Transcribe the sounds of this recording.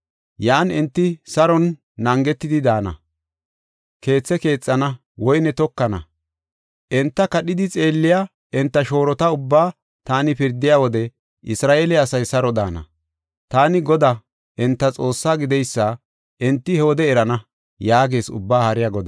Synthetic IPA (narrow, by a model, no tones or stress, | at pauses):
jaːnɛnt̪ːɪsɐɾɔnː | ɐŋɡɛt̪ːɪd̪ɪd̪aːnɐ̰ | ke̞ːt͡sːɛke̞ːt͡sʼːɐnɐ | wɔjnɛt̪ɔkːɐnɐ̰ | ʔɛnt̪ːɐkɐɗɪd̪ɪt͡sʼe̞ːlːɪja | ɛnt̪ːɐʃo̞ːɾɔt̪ɐʊbːaː | t̪aːnɪpɪɾd̪ɪjaːwɔd̪ɛ | ʔɪsɾaːʔeːlɛɐsɐjsɐɾɔd̪a̰ːnɐ̰ | t̪aːnɪɡɔd̪a | ʔɛnt̪ːɐt͡sʼo̞ːsːaːɡɪd̪ɛjsːɐ | ʔɛnt̪ːɪhɛoːd̪ɛɛɾɐnɐ | jaːɡe̞ːsʊ̰bːaːhɐɾɪjaɡɔd̪ɐ